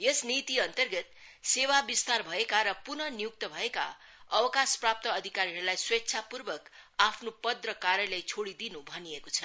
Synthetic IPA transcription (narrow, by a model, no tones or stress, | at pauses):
jesnit̪iʌnt̪ʌrɡʌt̪ | sewabist̪arbʱʌekaɾʌpunʌnijuk̚t̪ʌbʱʌeka̰ | ʌwʌkasprap̚t̪ʌːd̪ʱikaɾiɦʌɾulajswetːsʰapurbʌkapʰnopʌd̪rʌkaɾjʌlejt͡sʰoɽid̪inubʱʌnijekot͡sʰʌ